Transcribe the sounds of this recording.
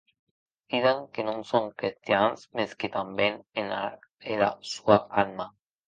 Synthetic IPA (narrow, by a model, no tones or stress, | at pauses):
piðaŋkenõnsoŋkɾist̪janzmesket̪ambjenenaeɾasuaalma